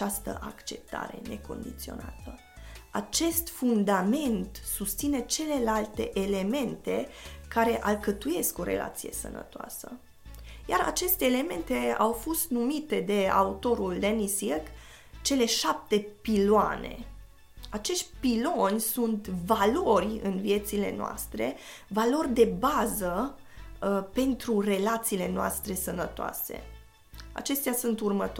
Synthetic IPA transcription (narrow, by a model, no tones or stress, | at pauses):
ast̪ə̰ʔakt͡ʃe̞p̚t̪a̰ɾe̞ne̞ko̞̰nd̪it̪sio̞̰na̰t̪ə | at͡ʃe̞st̪fund̪ame̞nt̪sust̪sine̞t͡ʃe̞le̞lalt̪e̞̰ʔele̞me̞nt̪e̞kaɾe̞ʔalkət̪uje̞sko̞ɾe̞̰lʔa̰t̪sije̞sə̰nə̰t̪oa̰sə | jaɾa̰t͡ʃe̞st̪e̞ːle̞me̞nt̪e̞awfo̞st̪numit̪e̞d̪e̞a̰ut̪o̞ɾuld̪enisirk | t͡ʃe̞le̞ʃap̚t̪e̞piloa̰ne̞̰ | at͡ʃe̞ʃt̪ʲpilo̞nʲsunt̪valo̞rʲɨ̰nvije̞t̪sile̞̰noa̰st̪ɾe̞̰valo̞rʲd̪e̞bazə | pe̞nt̪ɾure̞lat̪sile̞noa̰st̪ɾe̞sənət̪oa̰se̞̰ | a̰t͡ʃe̞st̪easunt̪urmət̪